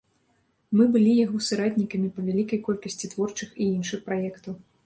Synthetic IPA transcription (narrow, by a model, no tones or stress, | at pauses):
mɨbɨlʲijaɣɔsɨɾat̪ʲnʲikɐmʲipɐvʲalʲikɐjkɔlʲkɐsʲt͡sʲit̪vɔrt͡ʂɨxiinʂɨxpɾajɛkt̪uw